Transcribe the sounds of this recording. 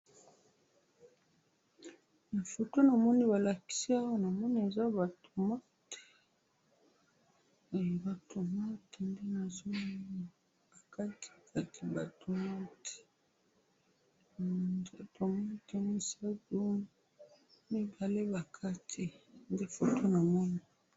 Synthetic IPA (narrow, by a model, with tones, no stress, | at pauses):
na˨fo˨to˦na˨mɔ˦ni˦βa˨la˨ki̥˦si˦a˦wa˦na˨mɔ˦ni˦e˨za˦ba˨to˨ma˦te̥˨ | ba˨to˨ma˦te˨nde˦na˨zo˦˨ | b̥a˨ka˦tʰi̥˨ka˨ti˨ba˨to˨ma˦te̥˨ | de˦to˨ma˦te˨mi˦sa˦do˦m | mi˦ba˨le˦ba˨kʰa˦tʰi˨nde˦fo˨to˦na˨mɔ˦ni˦˨